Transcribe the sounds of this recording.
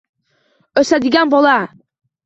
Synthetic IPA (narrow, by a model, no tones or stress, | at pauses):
ɵsæd̪iɡænbolˠɑ